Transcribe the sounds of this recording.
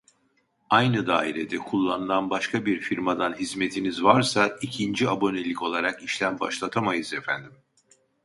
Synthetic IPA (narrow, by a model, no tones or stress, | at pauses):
ajnɯd̪a̰ːiɾed̪ɛkʰulˠːanɯlˠanbaʃkʰabiɾfiɾmad̪anɦizme̞t̪ʰinizvaɾsaicʰind͡ʒiabo̞nelʲiko̞lˠaɾakiʃlʲæmba̰ʃlˠat̪ʰamajɯzefænd̪im